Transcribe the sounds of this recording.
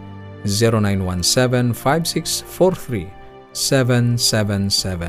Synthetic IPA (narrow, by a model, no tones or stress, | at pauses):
ziɾonãj̃nwãnsɛvɛ̃nfajvsiksfɔɹθɹi | sɛvɛ̃nsɛvɛ̃nsɛvɛ̃